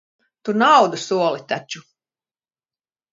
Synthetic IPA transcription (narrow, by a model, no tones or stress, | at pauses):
t̪unawd̪usuɔlˠit̪at͡ʃu